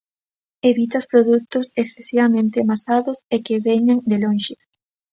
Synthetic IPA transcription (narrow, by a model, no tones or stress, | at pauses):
eβit̪aspɾoðuk̚t̪ʊsekθesiβamẽnt̪emasaðʊsekeβeɲaŋd̪eloŋʃɪ